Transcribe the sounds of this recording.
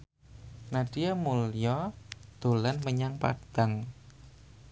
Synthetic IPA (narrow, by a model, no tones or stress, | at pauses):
naɖ̥iamuljɔd̪̥o̤lanməɲaŋpa̰d̪̥a̤ŋ